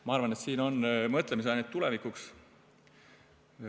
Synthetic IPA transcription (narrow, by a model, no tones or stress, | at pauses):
mɑɑrvɑne̞t̪siːno̞nmɤt̪ˑlemis̬eɑjnet̪ːulevikuks